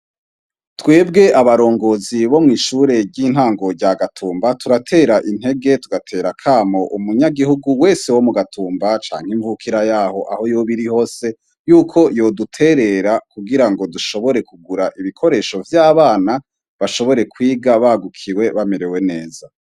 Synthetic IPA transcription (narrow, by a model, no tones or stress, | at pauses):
twe̞ːbɡe̞ʔaβaɾo̞ːŋɡo̞ziβo̞mŋiːʃuɾe̞ɟiːn̥haːŋɡo̞ɾɟaɡatʰuːmbatuɾatʰe̞ːɾaʔin̥he̞ɡe̞tuɡatʰeːɾakʰaːmo̞ʔumuɲaɡihuɡuweːse̞wo̞muɡatʰuːmbat͡ʃa̰ːŋhiɱvukʰiɾajaːho̞ʔa̰ho̞joβiɾiho̞ːse̞ | juːkʰo̞jo̞dutʰe̞ɾe̞ɾakuɡiɾaŋɡo̞duʃo̞βo̞ɾe̞kuɡuɾaʔiβikʰo̞ɾe̞ʃo̞vjaːβaːna | βaʃo̞βo̞ɾe̞kwiːɡaβaɡukʰiwe̞βame̞ɾewe̞ne̞ːza